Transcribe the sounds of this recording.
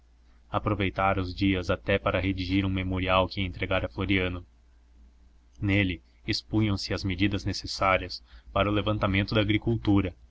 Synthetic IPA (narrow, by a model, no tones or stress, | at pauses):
apɾovejt̪aɾɐʊzd͡ʒiɐzat̪ɛpaɾɐɦed͡ʒ̪iʒiɾũmemoɾiawkɪẽnt̪ɾeɡaɾɐfloɾiɐ̃nʊ | nelɪ | ispũɲɐ̃w̃sɪɐzmed͡ʒid̪ɐznesesaɾiɐspaɾɐʊlevɐ̃nt̪amẽnt̪ʊd̪ɐaːɡɾikuwt̪uɾɐ